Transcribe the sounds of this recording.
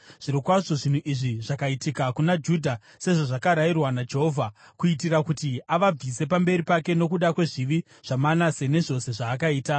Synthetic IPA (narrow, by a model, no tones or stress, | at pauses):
ʐ̥iɾikwaʂoʐin̤uʔiʐiʐakaitikakunad͡ʒudʱa | se̞ʐoʐakaɾajirwanad͡ʒe̞ɦo̞vʱa | kuit̬iɾakutiaʋab͡vise̞pambe̞ɾipake̞no̞kuɗakwe̞ʐiʋi | ʐ̥amanase̞ne̞ʐo̞se̞ʐaːk̬aiːta